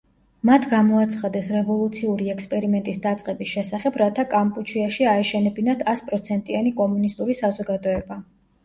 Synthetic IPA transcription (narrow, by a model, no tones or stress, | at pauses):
mat̪ʰɡamɔat̪sʰχad̪ɛsɾɛvɔlˠut̪sʰiuɾiɛkspʼɛɾimɛnt̪ʼisd̪at̪sʼqʼɛbisʃɛsaχɛbɾat̪ʰakʼampʼut͡ʃʰiaʃiaɛʃɛnɛbinat̪ʰaspʼɾɔt̪sʰɛnt̪ʼianikʼɔmunist̪ʼuɾisazɔɡad̪ɔɛba